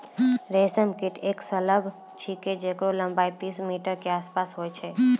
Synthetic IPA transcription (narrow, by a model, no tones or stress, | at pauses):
ɾeːsəmkɪʈʰeːksɐləb | t͡ʃʰiked͡ʒekɾolə̃mbaːit̪iːsmiːʈəɾkeaːspaːsɦoːet͡ʃʰeː